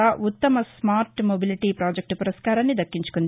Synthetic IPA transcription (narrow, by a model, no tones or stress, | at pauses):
aːʔut̪ːɐmɐsmaːɾʈmobiliʈiːpɾaːd͡ʒek̚ʈpuɾɐskaːɾaːnːid̪ɐkːiɲt͡ʃu̥kund̪